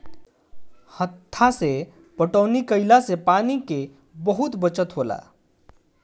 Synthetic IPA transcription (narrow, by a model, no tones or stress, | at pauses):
hət̪ʰːase | pəʈəːnikəɪlasepaːnike | bəɦʊt̪bət͡ʃət̪ɦoːla̰ː